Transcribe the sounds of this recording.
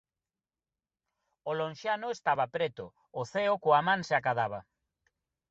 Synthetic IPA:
olonʃanʊest̪aβapɾet̪ʊː | θeokoamãŋseakaðaβ̞a

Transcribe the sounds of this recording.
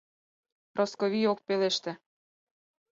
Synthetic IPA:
rʔoskoβijok̚peleʃt̪ĕ

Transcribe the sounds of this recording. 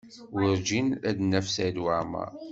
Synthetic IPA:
wəɾd͡ʒinæd̪nːæfsæjd̪waʕmæ̰

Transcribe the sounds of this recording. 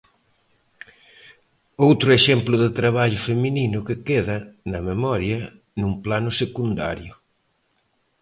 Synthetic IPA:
owt̪ɾʊeʃɛmplʊðɪt̪ɾaβaʎʊfemininʊkɪkeðɐnɐmemɔɾjɐ | nuŋplanʊsekund̪a̰ɾjʊ

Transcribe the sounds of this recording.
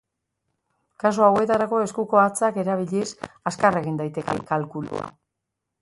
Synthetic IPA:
kasoawe̞t̪aɾako̞e̞skuko̞at͡sake̞ɾaβ̞iʎesaskareɣind̪ajt̪e̞kḛkalkulṵa̰

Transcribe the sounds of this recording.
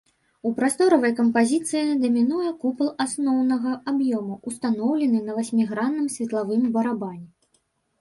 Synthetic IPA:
upɾast̪ɔɾɐvɐjkɐmpazʲit̪sɨjid̪ɐmʲinujɛkuplˠasnɔwnɐɣɐabjɔmuust̪anɔwlʲɛnɨnɐvasʲmʲiɣɾanːɨmsʲvʲɛt̪lˠavɨmbɐɾabanʲɛ

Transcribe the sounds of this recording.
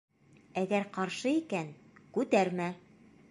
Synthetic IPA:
æɡæɾqɑɾʃɤikænkʉt̪æɾmæ

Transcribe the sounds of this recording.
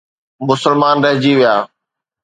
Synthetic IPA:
mʊsəlmaːnɾɐɦɪd͡ʑiʋɪjaː

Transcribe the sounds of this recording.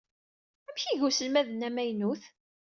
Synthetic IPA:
æmçiʝusəlmæðnæmæjnuθ

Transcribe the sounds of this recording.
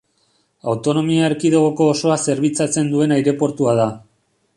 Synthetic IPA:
awt̪o̞no̞miaɾkiðoɣ̞o̞ko̞ːso̞ase̞ɾβit͡sat͡se̞nd̪ue̞najɾe̞po̞ɾt̪uað̞a

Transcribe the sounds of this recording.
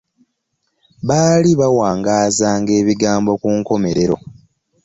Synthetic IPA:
βaːliβawaːŋɡaːzaːŋɡe̞ːβiɡaːmbo̞kuːŋko̞me̞ɾe̞ɾo̞̰

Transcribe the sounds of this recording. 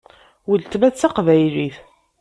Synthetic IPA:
wəlt̪mæt͡sːaqvæjliθ

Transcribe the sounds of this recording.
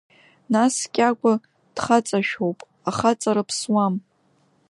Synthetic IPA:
naskʲʼakʷʼa | d̥χat͡sʼaʃᶣowpʼ | aχat͡sʼaɾɨpʰswam

